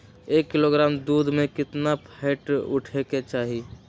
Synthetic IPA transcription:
eːkːɪloɡɾaːmd̪uːd̪ʱmẽkɪt̪napʰaɪʈʊ̰ʈʰeket͡ʃaːɦi

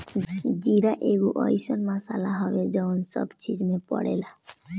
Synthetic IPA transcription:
d͡ʒiɾaʔeɡuʔɔ̰isənmasa̰laɦɔbed͡ʒɔʊnsɔ̰bt͡ʃid͡ʒmẽpə̰ɽḛla

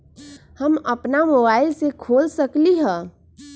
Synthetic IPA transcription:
həməpnamobaːɪlsekʰoːlsəkliɦɛ̃ː

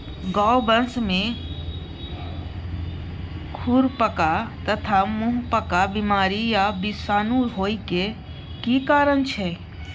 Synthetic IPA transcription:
ɡawbənsmẽ | kʰuɾpəkat̪ət̪ʰamʊ̃ɦpəkabɪmaːɾijabɪsaːnũɦoːike | kiːkaːɾənt͡ʃʰɛ

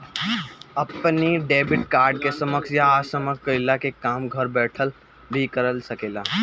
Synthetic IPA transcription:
əpniɖeːbɪʈkaːɾɖkesəməksjaːsəməkkəɪlakekaːmɡʱəɾbɛːʈʰəl | bʱikəɾəlsəkeːlaː

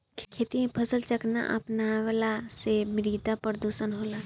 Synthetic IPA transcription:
kʰeːt̪iẽpʰəsəlt͡ʃəkna̰ʔɐ̰pnalasemɪɾid̪apəɾd̪uːʃənɦoːla

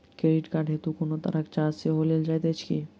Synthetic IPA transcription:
keɾiʈkaɖʱet̪ukonot̪ɐɾakt͡ʃaseɦoleld͡ʒajt̪et͡ʃʰkḭ

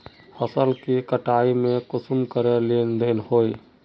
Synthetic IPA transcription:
həsəlkikəʈaːimẽkʊsʊmkəɾelend̪enhoːi

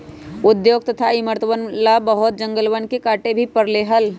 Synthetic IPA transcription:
ʊd̪joːɡ̚t̪ət̪ʰaiməɾt̪əʋənlabəɦʊt̪̚d͡ʒə̃ŋɡəlʋənkekaːʈebʱipəɾleɦəl

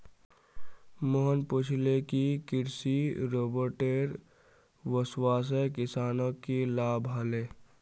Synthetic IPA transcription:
moɦənpʊt͡ʃʰlekikɪɾsiɾoːbəɾʈeːɾ | ʋəswaːs̬ekɪsaːnõkːilaːbʱɦaleː

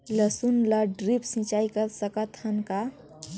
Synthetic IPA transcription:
ləsunləɖɾipsĩt͡ʃaikəɾsəkət̪ənka

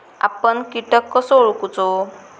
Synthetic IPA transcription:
a̰pəɳkiʈəkːəsoɭkut͡so

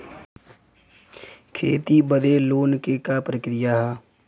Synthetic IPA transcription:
kʰeːt̪ibəd̪eloːnkekapɾəkɾɪjaɦɛ

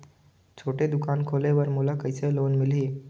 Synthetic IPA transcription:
t͡sʰoʈed̪ukankʰoleʋəɾmulakəjselonmiliː

